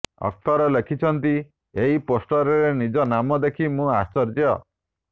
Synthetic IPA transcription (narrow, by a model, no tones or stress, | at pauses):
ɔ̰k̚t̪ɔɾɔlekʰit͡ʃʰɔnt̪i | eɦiposʈɔɾɔɾenid͡ʒɔnamɔd̪ekʰimũast͡ʃɔɾd͡ʒɔ̰